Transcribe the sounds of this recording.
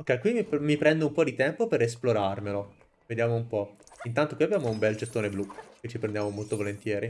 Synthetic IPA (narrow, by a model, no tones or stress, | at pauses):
okːɛjkwimimipɾɛnd̪oumpɔd̪it̪ɛmpopeɾesploɾarmelo | ved̪jaːmoumpɔint̪ant̪okwiabːjaːmoumbɛld͡ʒet̪ːoːneblukːet͡ʃːipɾend̪jaːmomolt̪ovolent̪jɛːɾi